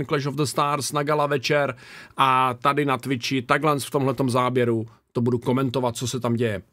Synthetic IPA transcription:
nklɛʃovd̪əst̪aɾsnaɡalavɛt͡ʃɛɾʔat̪adɪnat̪vɪt͡ʃɪt̪aɡlɛnsft̪o̞mɦlɛt̪o̞mzaːbjɛɾu | t̪obuduko̞mɛnt̪o̞vat̪̚t͡sosɛt̪amɟɛjɛ

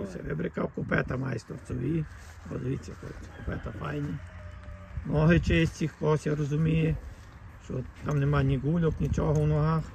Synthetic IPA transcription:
sɛ̰ʋɪbɾɪkawkʊpɛt̪ɐmajst̪ɔrsɔʋʲi | ɔ̰d̪ɪʋit͡sʲːɐkɔ̰̥kʊpɛt̪ɐfajnʲi | mnɔɦɪt͡ʃɪsʲt͡sʲixkɔɦɔsʲjaɾɔzʊmʲijɛ | ʃt͡ʃɔ̰t̪amnemanʲiɡulʲɔknʲit͡ʃɔɦɔwnɔɦɑx

